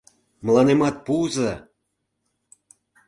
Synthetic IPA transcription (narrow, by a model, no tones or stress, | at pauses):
məlˠɑnemɑt̪̚puzɤ